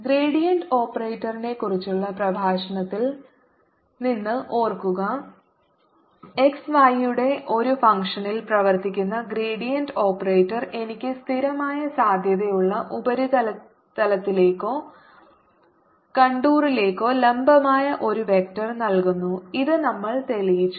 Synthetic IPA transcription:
ɡreːɽijɐndo̞ːpːɐreːtːɐrine̞kːurit͡ɕːuɭːɐprɐbʱaːɕɐɳɐt̪ːil | ninːɨʔo̞ːrkuɣɐ | e̞ksʋaːjjuɽe̞ʔo̞ɾufɐŋkʂɐnilprɐʋɐrt̪ikʲːunːɐɡreːɽijɐndo̞ːpːɐreːtːɐre̞nikʲːɨst̪ʰiɾɐmaːjɐsaːd̪ʱjɐðejuɭːɐʔubɐɾuɐ | t̪ɐlɐt̪ːile̞ːkːo̞ː | kɐɳɖuːrile̞ːkːo̞ːlembɐmaːjɐʔo̞ɾuʋe̞k̚tɐrnɐlkunːuiðɨnɐmːɐɭt̪e̞lijit͡ɕːu

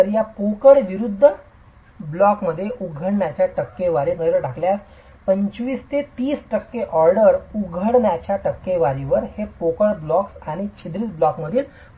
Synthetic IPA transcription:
əɾjapokəɽʋiɾud̪ʱːə | blɔkməd̪ʱːjeʔuɡʱəɳɳjat͡ɕjaʈəkːeʋaɾinələɖʱakljas | pəɲt͡ɕʋiːst̪et̪iːsʈəkːeʔɔɾɖəɾuɡʱəɽɳjat͡ɕjaʈəkːeʋaɾiʋəɾhepokəɽblɔksaɽ̃it͡ɕʰid̪ɾiːt̪blɔkməd̪ʱiːl

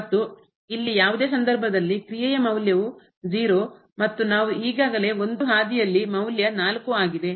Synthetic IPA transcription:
ɐt̪ːu | ilːijaːʋud̪e̞ːs̬ɐnd̪ɐɾbʱɐd̪ɐlːikɾijɐjɐmɐwljɐʋu | d͡ʒiːɾo | mɐt̪ːunaːʋuɦiːɡaːɡɐle̞o̞nd̪uɦaːd̪ijɐlːimɐwljɐnaːlkuaːɡid̪e̞

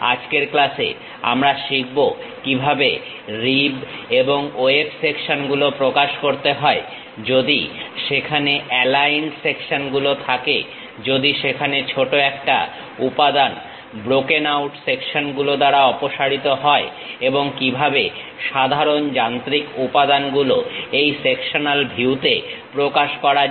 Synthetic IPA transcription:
a̰d͡ʑkeɾklasḛ | a̰mɾaʃik̚bo | kibʱabe | ɾibeboŋoepsekʃonɡulopɾokaʃkoɾt̪eɦɔe | d͡ʑod̪ḭʃekʰaneʔɛlajnsekʃonɡulot̪ʰakḛ | d͡ʑod̪iʃekʰanet͡ɕʰoʈoɛkʈa̰ | upad̪an | bɾokenawʈsekʃonɡulod̪aɾaɔpoʃaɽit̪oɦɔe | eboŋkibʱabe | ʃad̪ʱaɾond͡ʑant̪ɾikupad̪anɡuloejsekʃonalbʱiwt̪epɾokaʃkɔɾa

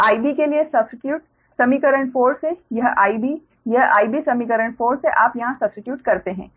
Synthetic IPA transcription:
aːibikeliesɐbsɪʈjuːʈ̚ | sɐmikɐɾə̃ɳʈfoːɾsejɐɦaːibi | jɐɦʔa̰ːibisɐmikɐɾə̃ɳʈfoːɾseʔaːpjɐɦãsɐbsɪʈjuːʈkɐɾt̪eɦɛ̰̃ː

